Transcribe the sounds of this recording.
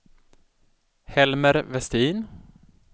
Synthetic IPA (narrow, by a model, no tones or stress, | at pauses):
hɛlməɾvɛst̪iːn